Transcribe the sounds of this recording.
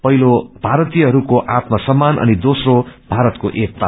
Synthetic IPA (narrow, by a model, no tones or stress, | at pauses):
pʌɦilob̥ʱaɾʌt̪ijʌɦʌɾukoʔat̪masʌmːanʔʌ̰nid̪osrobʱaɾʌt̪koʔek̚pa